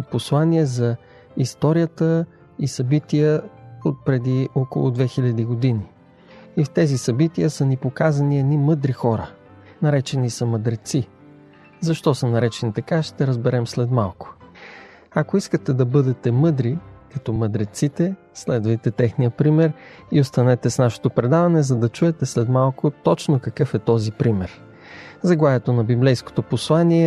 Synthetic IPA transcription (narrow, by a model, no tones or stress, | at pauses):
poslˠaniɛzɐ | ist̪ɔɾijət̪ə | isɐbit̪ijəot̪̚pɾɛd̪iʔɔko̰lˠʊ̰d̪vɛxilʲɐd̪iɡod̪ini | ift̪ɛzisɐbit̪iəsɐnipokazɐniɛd̪nimɤd̪ɾixɔɾə | nɐɾɛt͡ʃɛnisɐməd̪ɾɛt̪si | zɐʃt̪ɔsənɐɾɛt͡ʃɛnit̪ɐkaʃt̪ɛɾəzbɛɾɛmslɛt̪malˠkʊ̥ | ɐkoiskət̪ɛd̪ɐbɤd̪ɛt̪ɛmɤd̪ɾikɐt̪ɔməd̪ɾɛt̪sit̪ɛ | slɛd̪vɐjt̪ɛt̪ɛxnijəpɾimɛɾ | iost̪ɐnɛt̪ɛsnaʃɛ̥t̪opɾɛd̪avɐnɛzɐd̪ɐt͡ʃuɛt̪ɛslɛd̪malˠkot̪ɔt͡ʃnokɐkɤfɛt̪ɔzipɾimɛɾ | zɐɡlˠavɛt̪onɐbiblɛjsko̥t̪oposlˠaniɛ